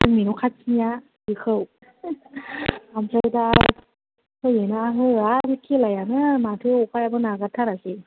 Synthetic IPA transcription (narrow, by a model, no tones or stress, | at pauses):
ɯŋminukʰasʰija | bikʰɯw | amsada | hɯjenaɦɯjabikʰelajanɯmatʰɯjɔkʰajabɯnaɡatʰaɾasi